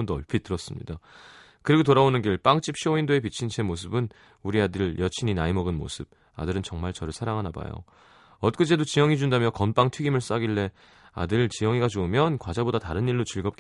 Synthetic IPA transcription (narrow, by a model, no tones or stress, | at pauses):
ndoʌɭpʰitɯɾʌs͈ɯmɲḭda | kɯɾiɡotoɾaonɯnɡiɭp͈aŋt͡ɕ͈ip̚ɕʰioindoe̞p̬it͡ɕʰint͡ɕʰe̞mos̬ʰɯbɯn | uɾiadɯɭjʌt͡ɕʰiɲinaimʌɡɯnmo̰sʰɯb̚ | a̰dɯɾɯnt͡ɕʌŋmaɭt͡ɕʌɾɯsʰaɾaŋɦanaba̰jo̰ | ʌt̚k͈ɯd͡ʑedot͡ɕijʌŋid͡ʑundamjʌkʌnp͈aŋtʰiɡimɯɭs͈aɡiɭːe̞ | a̰dɯɭt͡ɕijʌŋiɡad͡ʑoɯmjʌnkwad͡ʑabodataɾɯniɭːot͡ɕiɭɡʌp̚k